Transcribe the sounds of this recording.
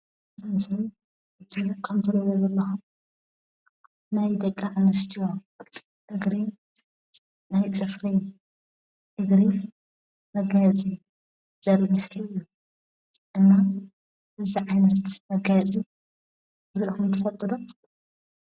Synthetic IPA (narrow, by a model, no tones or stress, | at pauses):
zɐnsɐni | ɨt̪ʰɨukʰɐmt̪ʰɨɾowozɐlːɐxum | najd̪ɐkʼːaʕanɐst̪ʰiwo | ʔɨɡɾi | najt͡sʼɨfɾi | t̪ɨɡɾi | mɐɡajt͡sʼi | z̥ɐɾibɨsljːu | ʔɨnːa | ʔɨziʕajnɐt̪mɐɡajɐt͡sʼi | ɨɾiʔxumt̪ʰɨfɐt̪ʼːɨd̪u